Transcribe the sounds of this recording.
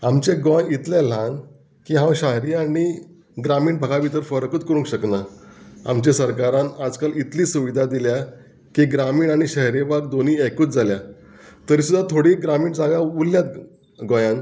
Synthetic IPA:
amt͡ɕẽɡɔ̃jit̪lel̤ãn | kiɦãwɕaɦɾiaɽ̃i | ɡɾamiːɳbʱaɡabit̪əɾfəɾkət̪kəɾũŋkɕəknaa̰mt͡ɕesəɾkaɾãnad͡zkalit̪liːsuʋid̪ʱad̪ilja | kiɡɾamiːɳaɽ̃iɕəɦɾebaɡ̚d̪oniekuːt͡sd͡zalja | t̪əɾiːsud̪ʱːat̪ʰoɽiɡɾamiːɳd͡zaɡjauljat̪̚ | ɡɔ̃jãn

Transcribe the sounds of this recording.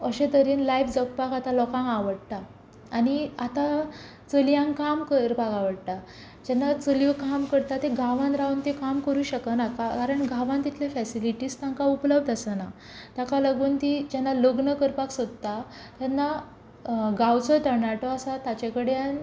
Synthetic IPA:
əɕẽt̪əɾiːnlajfd͡zək̚pakat̪alɔkãŋɡaʋəɽt̪a | aɽiat̪a | t͡səljãŋkamkəɾpakaʋəɽt̪a | d͡ʑɛnːat͡səljkamkəɾt̪at̪ẽɡʱaʋãnɾaunt̪ekamkəɾuːɕəkənakakaɾəɳɡʱaʋãnt̪it̪ʰlefɛsiliʈiːst̪aŋkaupləb̚d̪əsəna | t̪jakaləɡuːnt̪id͡ʑɛnːaloɡnəkəɾpaksod̪̚t̪a | t̪jɛnːa | ɡawt͡sɔʈəɾnaʈɔasat̪at͡ɕekəɽean

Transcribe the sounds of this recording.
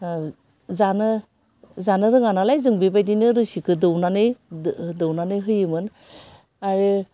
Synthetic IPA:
zanɯ | zanɯɾɯŋanalajzɯŋbibajdinɯɾɯsikɯdɯwnanɯjdɯwnanɯɦɯjɯmɯn | aɾi

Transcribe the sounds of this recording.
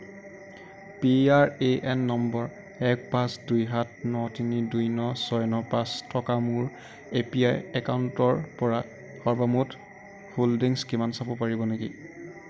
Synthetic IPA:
piaɹeʔɛnːɔmbɔɹ | ɛk̚pasdujɦatnɔtinidujnɔsɔjnɔpastʰɔkamuɹ | epia̰jɛkawntɔɹpɔɹa | hɔɹbamut | holdiŋskimansabɔpaɹibɔnekḭ

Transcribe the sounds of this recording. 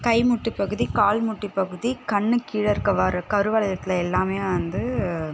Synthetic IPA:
kɐɪmʊʈːɯpːɐɣɯðikaːlmʊʈːipːɐɣɯðikɐɳːɯkiːɽɐɾkɐʋaːɾɐkɐɾɯʋɐːɭɐðɐt̪ːɪlɐɛlːaːmeːɐnd̪ɯ

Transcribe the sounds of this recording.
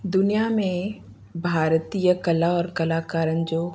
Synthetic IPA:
d̪ʊnijamẽ | bʱaːɾt̪ijəkɐlaɔːɾkɐlaːkaːɾənd͡ʒoː

